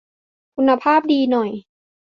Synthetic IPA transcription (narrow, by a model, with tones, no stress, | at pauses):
kʰu˧nːa˧pʰaː˥˩p̚diː˧nɔ˨˩j